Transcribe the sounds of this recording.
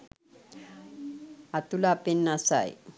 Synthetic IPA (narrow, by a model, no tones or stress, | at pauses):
at̪ulapenːasa̰j